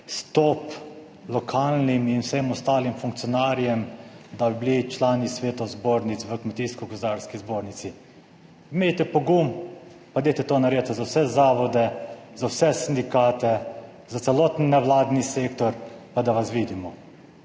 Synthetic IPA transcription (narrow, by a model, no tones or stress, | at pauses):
st̪ɔːp | lɔkʰaːlniminwsɛmɔst̪aːlimfuŋk̚t̪ijɔnaːɾjɛmd̪abiblit͡ʃlaːnisʋeːt̪ɔzboːɾnit̪sʋəkmɛt̪iskɔkɔzaɾskizboːɾnit̪si | meːjt̪ɛpɔɡum | pad̪ejt̪ɛt̪onaɾeːt̪ɛzawsɛzaːʋɔd̪ɛzawsɛsind̪ikaːt̪ɛ | zat̪sɛlot̪nːɛwlaːd̪niseːkt̪ɔɾpad̪aʋasʋiːd̪imɔ